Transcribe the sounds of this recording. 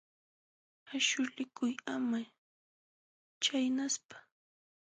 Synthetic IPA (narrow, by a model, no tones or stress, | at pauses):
aʃʊlɪkʊjama | t͡ʃajnaspḁ